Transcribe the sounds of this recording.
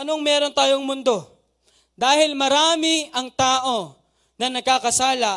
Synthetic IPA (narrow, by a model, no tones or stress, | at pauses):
ɐnoŋmɛːɾo̞nt̪aːjoŋmʊnd̪o̞ | d̪aːɦɪlmɐɾaːmɪɐŋt̪aːʔo̞ | nɐnɐɡ̚kakɐsaːlɐ